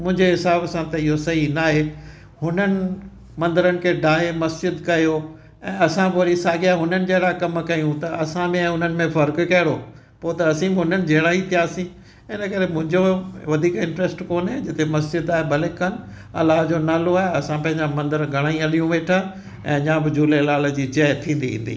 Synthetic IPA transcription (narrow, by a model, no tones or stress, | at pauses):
mʊ̃ɦɪ̃ɲd͡ʑeɦɪsaːbsãt̪ɐɪɦosɐɦinaːɦe | hʊnənɪ̆ | mɐ̃nd̪əɾənɪ̆kʰeːɖaːɦemɐsd͡ʑɪd̪kɐjoː | ɛ̃ːɐsãpoːɾisaːɠiaːɦʊnənɪ̆d͡ʑɐɦɪɽaːkɐmkɐjũt̪ɐʔɐsãmẽɦʊnənɪ̆mẽfɐɾkkɐɦɪɽoː | poːt̪ɐɐsĩbɪɦʊnənɪ̆d͡ʑʱɐɦɪɽaːɦit̪ʰijaːsĩ | ɪnəkɐɾemʊ̃ɦɪ̃ɲd͡ʑoʋɐd̪ʱiːkɪ̃ɳʈɾɛsʈkoːnẽd͡ʑɪt̪emɐsd͡ʑɪd̪aːɦebʱɐlɪkːɐnɪ̆ | ɐ̰laːɦd͡ʑoːnaːloaːɦeɐsãpɐ̃ɦɪ̃ɲd͡ʑamɐ̃nd̪əɾɡʱɐɽ̃aːĩɐlijũʋeːʈʰaː | ɛ̃ːɲãːbɪd͡ʑuːlelaːləd͡ʑiːt͡ɕɐːt̪ʰĩːn̆d̪iḭ̃ːn̆d̪ḭː